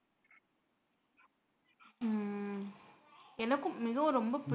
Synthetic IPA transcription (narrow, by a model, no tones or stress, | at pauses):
ɛnɐɣɯmmɪɣɐɾɔmbɐp